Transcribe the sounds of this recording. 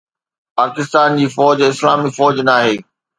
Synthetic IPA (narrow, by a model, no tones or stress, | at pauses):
paːkɪst̪aːnd͡ʑiːfɔːd͡ʑɪslaːmifɔːd͡ʑnaːɦeː